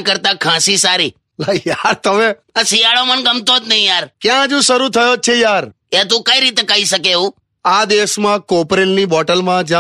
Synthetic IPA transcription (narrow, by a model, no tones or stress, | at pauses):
kəɾt̪akʰãsisaɾi | lajaɾt̪əme | əsijaɭomənɡəmt̪ot̪nəɦĩjaɾkjãd͡ʒũʃəɾut̪ʰəjot͡ʃʰejaɾ | et̪̬ũkəiɾit̪ekaiʃəkeũ | ad̪esmãkopɾennibɔʈəlmãd͡ʒã